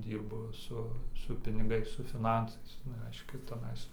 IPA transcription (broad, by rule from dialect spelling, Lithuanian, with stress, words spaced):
ˈdʲiːrbʊ ˈsʊ sʊ pʲɪnʲɪˈɡɐɪs sʊ fʲɪˈnɐnsɐɪs nʊ ˈrʲɛɪʃʲkʲɛ tʲɛˈnɐɪs